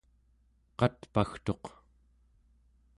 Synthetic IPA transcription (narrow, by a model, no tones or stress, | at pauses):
qɑt̪paxt̪o̞q